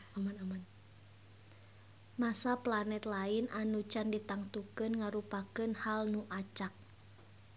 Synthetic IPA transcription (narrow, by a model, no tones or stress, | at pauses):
amanaman | masaplanɛt̪lainanut͡ʃandit̪aŋt̪ukɨnŋaɾupakɨnhalnuʔat͡ʃak̚